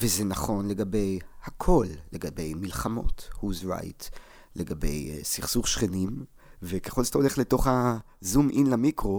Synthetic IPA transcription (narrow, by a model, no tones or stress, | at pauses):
vezenaχo̞nle̞ɡabe̞jhakʰo̞lːeɡabe̞jmilχamo̞̰thuzʁa̰jt | leɡabe̞̰jsiχsuχʃχenim | vekeχo̞lzotole̞χleto̞χha | zumʔinlamikʁo̞